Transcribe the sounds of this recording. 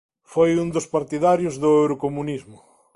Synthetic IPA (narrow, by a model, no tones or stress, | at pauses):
fojund̪ʊspaɾt̪iðaɾjʊzðʊewɾokomunizmʊ